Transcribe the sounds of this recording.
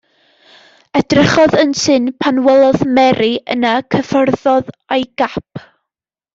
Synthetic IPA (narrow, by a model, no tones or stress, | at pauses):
ɛdrəχɔðənsɨnpʰanwɛlˠɔðmɛɾiənakʰəfɔrðɔðajɡ̥ap̚ʰ